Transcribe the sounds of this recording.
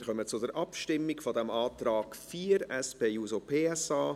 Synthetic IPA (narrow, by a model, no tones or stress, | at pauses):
χœmət͡sʊdəɾʔɑpʃtɪmːɪkfɔd̪ɛmaːt̪ɾaːkfiːɾɛspeːjuːzopʰeːɛsaː